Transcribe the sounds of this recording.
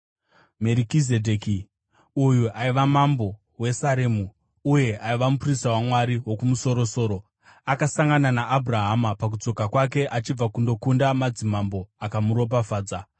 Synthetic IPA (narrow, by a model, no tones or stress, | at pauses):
me̞ɾikizedʱeki | ujuaiʋamambo̞ | we̞saɾemu | uje̞ʔaiʋamuprisawamwaɾiwo̞kumuso̞ɾo̞so̞ːɾo̞ | akasaŋɡananaʔːbʱuraɦamapak̬ud͡zo̞kakwak̬e̞ʔat͡ʃib͡vakundo̞kundamad͡zimambo̞akamuɾo̞p̬afaːd͡za